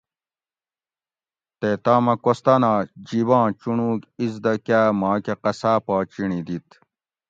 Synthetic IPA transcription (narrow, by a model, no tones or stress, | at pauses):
t̪et̪aːmɐkost̪ɐnaːd͡ʑibãːt͡ɕunuːkizd̪ɐkaːmãːkeqɐsaːpaːt͡ɕiɳid̪it̪